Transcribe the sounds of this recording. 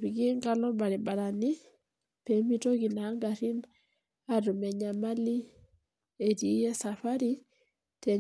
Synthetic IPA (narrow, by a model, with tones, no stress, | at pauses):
ɾi˨ɡi˦ŋɡa˦lɔ˦ba˨ɾi˨ɓa˨ɾa˨ni˦ | pe˨mi˦to˦ki˨na˨˦ŋɡaɾi˦n | aɾu˨mɛ˨ɲama˦li˦ | e˨ti˨˦jɛ˦sa˨fa˦ɾi˦ | tɛ˨